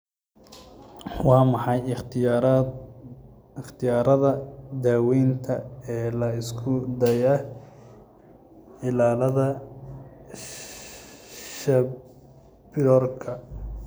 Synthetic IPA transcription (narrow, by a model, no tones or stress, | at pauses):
wɑːmɑħɑj | ɪχt̪ʰɪjaːɾɐðɐd̪aːwɛːnt̪ʰɐɛːlɐɪskʰʊd̪ɐjɐ | ɪlaːlɐðɐ | ʃɐ | bɪɾɔːrkʰɐ